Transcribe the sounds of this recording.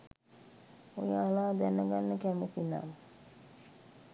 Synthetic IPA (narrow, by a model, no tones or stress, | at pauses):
ojaːlaːd̪ɛnəɡanːəkɛmət̪ina̰mə